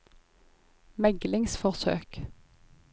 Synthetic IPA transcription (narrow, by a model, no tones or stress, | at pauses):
mɛɡlɪŋsfɔʁsø̰ːk